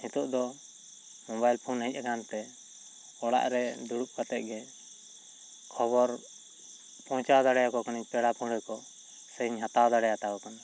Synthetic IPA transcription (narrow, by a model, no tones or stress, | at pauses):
mit̪ɔʔd̪ɔ | mɔ̃bajlpʰunaɦic̪̚ˀakant̪ɛ | ɔɽa̰ʔɾɛd̪uɽuk̚pat̪ɛt̪̚ɡɛ | kʰɔbɔɾ | pɔ̃t͡ʃawd̪aɽɛjakɔkaniɲpɛɽapʰuɳɛkɔ | sɛiɲɦat̪awd̪aɽɛjat̪akɔkan